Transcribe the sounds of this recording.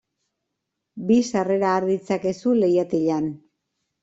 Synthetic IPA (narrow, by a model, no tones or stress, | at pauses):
bisare̞ɾaːɾðit͡sake̞sule̞jat̪iʎan